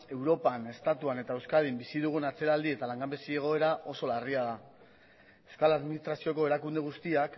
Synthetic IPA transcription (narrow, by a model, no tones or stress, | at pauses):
e̞wɾo̞pane̞st̪at̪uane̞t̪aewskaðimbisið̞uɣ̞unat͡se̞ɾald̪ie̞t̪alaŋɡambesie̞ɣ̞o̞e̞ɾaʔo̞so̞lariaða | e̞wskalaðminist̪ɾasio̞ko̞e̞ɾakund̪e̞ɣ̞ust̪iak